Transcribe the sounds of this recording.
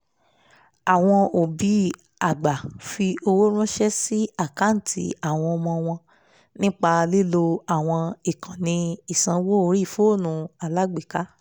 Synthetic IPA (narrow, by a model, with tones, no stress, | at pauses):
a˨w̃ɔ̃˧o˨bi˨˦ | a˨ɡ͡ba˨fi˧o˧wo˦ɾ̃ũ˦ʃɛ˦si˦a˦˨ka˦n̩˦˨tʰi˦a˦˨w̃ɔ̃˧ɔ˧mɔ̃˧w̃ɔ̃˧ | nĩ˦k͡pa˧li˦lo˧a˦˨w̃ɔ̃˧i˨kʰã˨nĩ˧i˦˨sã˨˧wo˦ɾi˦˨fo˨˦˨nũ˧a˨la˦ɡ͡be˨ka˨˦